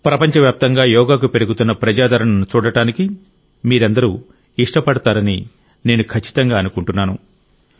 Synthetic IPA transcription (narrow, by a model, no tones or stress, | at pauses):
pɾɐpɐɲt͡ʃɐʋjaːp̚t̪ɐŋɡaːjɔːɡaːk̬upe̞ɾuɡut̪unːɐpɾɐd͡ʒaːd̪ʱɐɾɐɳɐnːut͡ʃuːɽɐʈaːniki | miːɾɐnd̪ɐɾu | iʂʈɐpɐɽɐt̪aːɾɐni | ne̞ːnukʰɐt͡ʃːi̥t̪ɐŋɡaːɐnukuɳʈunːaːnu